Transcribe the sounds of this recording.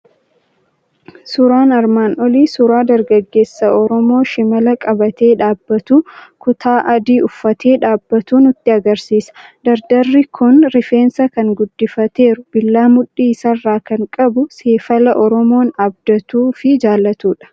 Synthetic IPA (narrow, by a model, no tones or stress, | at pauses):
sʊɾaːnɐɾmaːnʔɔliːsʊɾaːd̪ɐɾɡɐɡːe̞ːsːɐʔɔɾɔmo̞ːʃɪmɐlɐkʼɐbɐt̪e̞ːᶑaːbːɐt̪uːkʊt̪ʰaːʔɐd̪iːʊfːɐt̪ʰe̞ːᶑaːbːɐt̪uːnʊt̪ːɪɐɡɐɾsiːsɐ̥d̪̥ɐɾd̪ɐrːɪkʰʊnɾɪfe̞ːnsɐkɐŋɡʊd̪ːɪfɐt̪e̞ːɾʊb̥ɪlːaːmʊᶑiːsɐrːaːkɐŋkʼɐbʊse̞ːfɐlɐʔɔɾɔmo̞ːnɐb̚d̪ɐt̪uːfɪd͡ʒaːlːɐt̪uːᶑɐ̥